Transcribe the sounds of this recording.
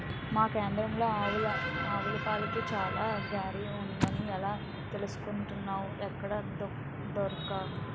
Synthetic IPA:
maːkeːnd̪ɾɐmloːaːʋlɐaːʋulɐpaːlɐkeːt͡ʃaːlaːɡaːɾiuɳɖinɐniɛlaː | t̪elusu̥kuɳʈunːaːwuɛkːɐɽɐnd̪u | d̪ɔɾkaː

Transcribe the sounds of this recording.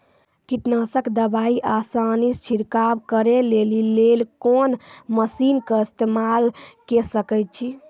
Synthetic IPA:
kiʈnasəkd̪əbaiʔasanist͡ʃʰiɾkabkəɾelelilelkonməsinkəist̪emalkesəkəjt̪̚t͡ʃʰi

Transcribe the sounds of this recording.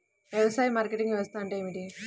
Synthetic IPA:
ʋjɛʋɐsaːjimaːɾkeʈiŋɡʋeːɭst̪aːɐɳʈejmiʈi

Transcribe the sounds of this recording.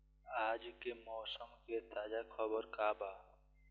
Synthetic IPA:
aːd͡ʒkemɔːsəmket̪aːd͡ʒakʰəbəɾkaːbaːt̪

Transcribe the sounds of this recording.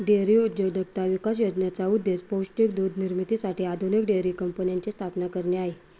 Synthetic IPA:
ɖeɾiud̪jowd̪əɡ̚t̪aʋikas̬jod͡ʑnat͡saud̪ːespowsʈikd̪ud̪ʱniɾmit̪isaʈiːad̪ʱunik̚ɖeɾikəmpənjaɲt͡ɕist̪ʰapnakəɾɳeaɦe

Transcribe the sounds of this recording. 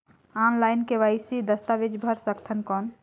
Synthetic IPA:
anlajnkeʋajsid̪əst̪abed͡ʒbʱəɾsəkt̪ʰənkɔn

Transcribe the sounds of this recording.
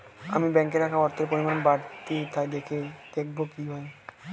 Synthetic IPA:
amibɛŋkeɾakʰaɔɾt̪ʰeɾpoɾimanebaɾt̪it̪ʰaed̪ekʰed̪̥ek̚ʰbokiɦɔe

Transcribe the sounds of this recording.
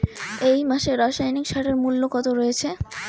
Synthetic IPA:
ejmaʃeɾaʃajnikʃaʈeɾmulːokɔt̪oɾoet͡ɕʰe

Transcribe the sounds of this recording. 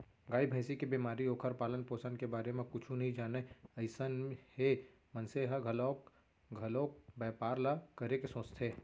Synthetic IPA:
ɡaːibʱəːsikebiːmaːɾioːkʰəɾpaːlənpoːsənkebaːɾemẽkʊt͡ʃʰũnɐɦĩd͡ʒaːneɐɪsənhe | mɐ̃nseɦəɡʱɐloːk | ɡʱɐloːk̚bɛːpaːɾlakɐɾekesõːt͡ʃt̪ʰeː

